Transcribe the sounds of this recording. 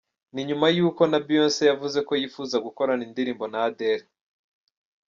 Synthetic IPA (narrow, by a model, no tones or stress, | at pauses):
niɲumajuːko̞nabijoːnsejavuze̞ko̞jiːfuːzaɡuko̞ɾanindiɾiːmbo̞nade̞ɾe